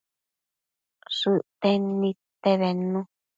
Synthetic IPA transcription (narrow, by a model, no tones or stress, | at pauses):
ʂɨʔt̪enĩt̪eβenũ